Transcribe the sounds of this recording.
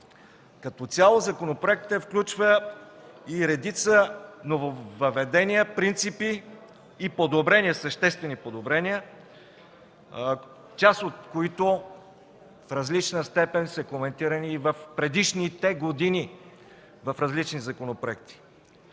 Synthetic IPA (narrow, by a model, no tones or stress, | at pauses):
kɐt̪ɔt̪sʲalˠozɐkonopɾoɛk̚t̪əfklʲut͡ʃvə | iɾɛd̪it̪sənovovəvɛd̪ɛnʲiəpɾint̪sipiː | pod̪obɾɛniəsəʃt̪ɛst̪vɛnipod̪obɾɛnʲiə | t͡ʃasot̪̚koit̪o | fɾɐzlit͡ʃnəst̪ɛpɛnsəkomɛnt̪iɾəniːvɐfpɾɛd̪iʃnit̪ɛɡod̪ini | vɐfɾɐzlit͡ʃnizɐkonopɾoɛk̚t̪i̥